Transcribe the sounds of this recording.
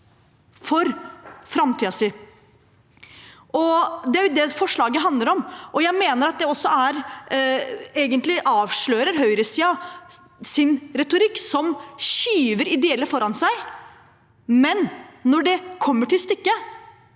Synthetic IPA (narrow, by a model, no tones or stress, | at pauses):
fɔɾfɾɑmt̪ʰiːɑsi | ʔɔd̪ɛæɾjʊd̪ɛfɔʂɭɑːɡəɦɑnd̪ləɾɔmʔɔjæɪmeːnəɾɑt̪̚d̪ɛɔsːɔæɾ | eːɡənt̪lɪʔɑːʋʂɭøːɾəɾɦœʏɾəsiːɑ | sɪnɾɛt̪ʊɾɪkːsɔmɕyːʋəɾɪd̪ɛɛlːəfɔɾɑnsæɪ | mɛnːɔɖɛkʰɔmːəʈɪlst̪ʏkːə